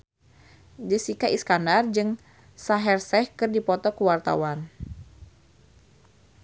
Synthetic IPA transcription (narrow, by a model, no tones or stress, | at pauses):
d͡ʒəsikaʔiskandard͡ʒɨŋ | saɦɛrsɛhkɨrdipɔt̪ɔkuwart̪a̰wan